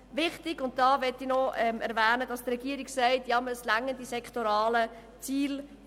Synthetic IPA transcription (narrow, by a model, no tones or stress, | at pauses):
ʋɪχtɪɡʊnt̚d̥ɑːʋɛtːɪnɔɛmɛɾʋæːnədɑstrɛɡ̥iːəɾiɡsɛɪtjɑməslæŋːəndisɛkχtoɾɑːlə | t͡siːl